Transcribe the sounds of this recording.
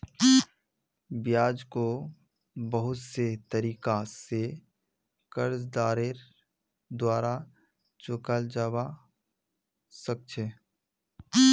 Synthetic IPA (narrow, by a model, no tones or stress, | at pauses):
bjaːd͡ʒko | bəɦʊt̪set̪əɾiːkase | kəɾs̬d̪aːɾeɾ | d̪waːɾa | t͡ʃʊkəld͡ʒaːwa | sək̚t͡ʃʰe